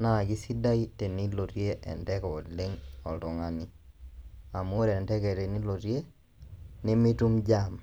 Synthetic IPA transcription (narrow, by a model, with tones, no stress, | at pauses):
na˦˨ɡi˦si˦da˦i˦te˨ni˦lo˨ɾje˦ʔɛ̰˨ntɛ˦kɔ˨dle˦ŋɔ˨ltɔ˨ŋa˨ni˦ | a˨m˦o˦ɾɛ˨ntɛ˦kɛ˨ɾe˨ni˦lo˨ɾje˦ | nɪ˦mi˦tu˦md͡ʒa˦m